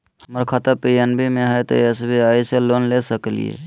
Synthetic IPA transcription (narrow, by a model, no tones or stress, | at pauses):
məɾkʰat̪apienbʱimeɦəjt̪ɔ̰esbʱiaiselonlesəklḭjḛ